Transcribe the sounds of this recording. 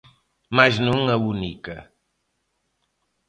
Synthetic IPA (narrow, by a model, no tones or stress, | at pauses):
majznuŋəβunikə